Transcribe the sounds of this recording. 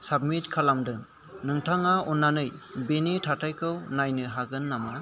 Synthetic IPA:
sab̚mitkʰalamdɯŋ | nɯŋtʰaŋaɔnːanɯjbenitʰatʰajkʰɯwnajnɯɦaɡɯnːama

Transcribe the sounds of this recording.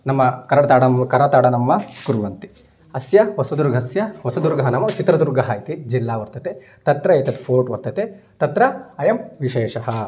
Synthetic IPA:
nɐmːɐkɐɾɐɽɐt̪aːɽɐmkɐɾɐɽɐt̪aːɽɐnɐmːɐkuɾʋɐnt̪i̥ | ɐsjɐʋɐsɐd̪uɾɡʱɐsjɐʋɐsɐd̪uɾɡʱɐɦɐnɐmɐt͡ʃit̪ɾɐd̪uɾɡɐɦɐjit̪id͡ʒilːaːʋɐɾt̪ɐt̪e | t̪ɐt̪ɾɐeːt̪ɐt̪pʰoːɾʈʋɐɾt̪ɐt̪e | t̪ɐt̪ɾɐɐjɐmʋiʃeːʂɐɦɐ

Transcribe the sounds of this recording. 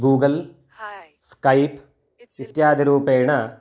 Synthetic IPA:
ɡuːɡɐl | skɐjp | it̪jaːd̪ʱiɾuːpeːɳɐ

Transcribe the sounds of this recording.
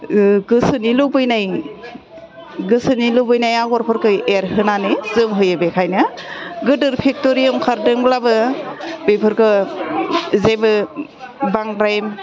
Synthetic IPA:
ɡɯsɯnilɯbɯjnaj | ɡɯsɯnilɯbɯjnajaɡɔɾpʰɯɾkʰɯeɾhɯnanɯzɯmɦɯjɯbekʰajnɯɡɯdɯɾpʰek̚toɾiɯmkʰaɾdɯŋblabɯbejpʰɯɾkɯ | zebɯ | baŋɾajm

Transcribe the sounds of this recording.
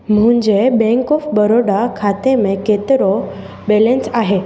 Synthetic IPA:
m̤uɳd͡ʑebɛ̃ŋkɔfbəɾoɽakʰat̪emeket̪ɾɔ | bɛlẽnsaɦe

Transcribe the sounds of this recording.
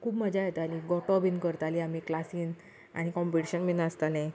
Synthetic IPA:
kʰuːbməd͡ʑajet̪aliɡɔʈɔbinkəɾt̪aliamiklasiːn | a̰ɽ̃ikɔ̃mpiʈiɕənminast̪alɛ̃

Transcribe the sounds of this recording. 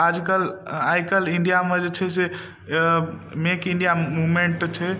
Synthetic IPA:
ad͡ʒkəlajkəliɳɖijamed͡ʒet͡ʃʰɛse | mekĩɳɖijamumeɳʈt͡ʃʰɛ

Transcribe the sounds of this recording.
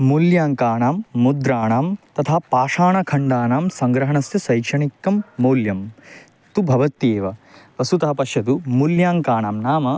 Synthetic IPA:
muljaːŋkaːɳaːmːud̪ɾaːɳaːmt̪ɐt̪ʰapaːʂaːɳɐkʰɐɳɖaːnaːmsɐŋɡɾɐɦɐɳɐsj̪ɐsɐjkʂʰɐɳikːɐmːoːljɐm | t̪ubʱɐʋɐt̪eːʋɐʋɐsut̪ɐɦɐpɐʃjɐt̪umuljaːŋkaːɳaːmnaːmɐ

